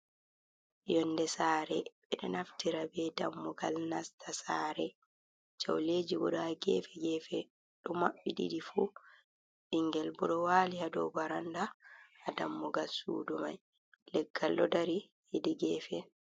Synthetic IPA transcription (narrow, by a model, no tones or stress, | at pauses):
jɔndɛsaːɾɛɓɛɗɔnaftiɾabɛdamːɔɡalnastʰasaːɾɛ | t͡ʃa̰wleːd͡ʒibɔ̰ɗɔaɡɛ̰ːfɛɡɛfɛ | ɗɔmaɓːiɗḭɗifu | ɗiŋɡɛlbɔɗɔwaːlihadɔ̰baɾandaːdamːɔɡalsṵːdumaj | lɛɡːalːɔdaɾi | idiɡɛːfɛ